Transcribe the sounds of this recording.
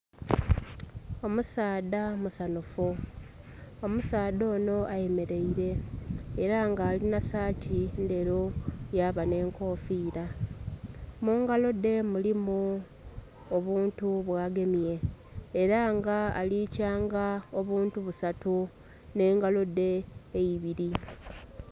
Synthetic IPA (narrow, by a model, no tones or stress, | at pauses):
o̞musaːdamusanufu | omusaːdo̞ːno̞ʔaje̞me̞ɾe̞iɾe̞ː | ɾaŋɡaːlinasaːtʰinde̞ɾojaːβane̞ːŋko̞ːfiːɾa | muːŋɡalo̞de̞mulimu | oβuːntuβwaːɡe̞mjje̞ː | ɾaŋɡaa̰liːcaːŋɡao̞βuːntuβusatu | ne̞ːŋɡalo̞de̞ːjiβiɾi